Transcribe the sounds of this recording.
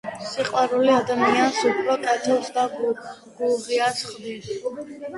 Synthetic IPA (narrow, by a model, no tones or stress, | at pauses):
siqʼwaɾuliad̪amiansupʰɾɔkʼɛt̪ʰɔlsd̪aɡ | ɡ̥uʁiasχd̪id